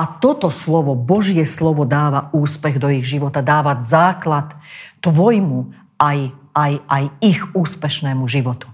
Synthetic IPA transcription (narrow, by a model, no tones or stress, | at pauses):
at̪ɔt̪ɔslɔʋɔbɔʒɪɛslɔʋɔd̪aːʋauːspɛɣd̪ɔiɣʒiʋɔt̪ad̪aːʋazaːklat̪ːʋɔjmu | aj | ajʔajiɣuːspɛʃnɛːmuʒiʋɔt̪u̥